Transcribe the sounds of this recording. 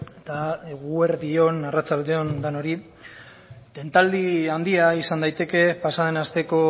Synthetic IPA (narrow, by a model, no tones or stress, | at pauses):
t̪aeɣueɾðio̞narat͡sald̪eo̞nd̪ano̞ɾi | t̪e̞nt̪ald̪iand̪iaisand̪ajt̪e̞ke̞pasaðe̞nast̪e̞ko̞